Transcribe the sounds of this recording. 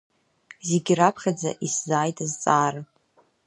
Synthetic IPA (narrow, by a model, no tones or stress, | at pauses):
zeɡʲrapʰχʲad͡za̰ʔiszaːjtʼazt͡sʼaːɾa